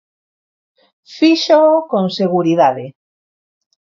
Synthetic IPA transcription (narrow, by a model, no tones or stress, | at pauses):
fiʃookõŋseɣuɾiðaðe